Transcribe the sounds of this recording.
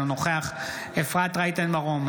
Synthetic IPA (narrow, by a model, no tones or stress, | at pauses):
noχeaχ | efʁat̪ʁajt̪anbaʁom